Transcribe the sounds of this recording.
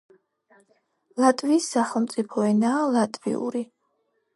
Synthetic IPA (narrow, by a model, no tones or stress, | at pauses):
lˠat̪ʼviːsːaχɛlˠmt̪sʼipʰɔɛnaːlˠat̪ʼvḭṵɾi